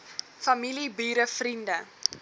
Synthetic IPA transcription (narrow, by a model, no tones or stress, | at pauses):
fɐmilibiːɾəfrində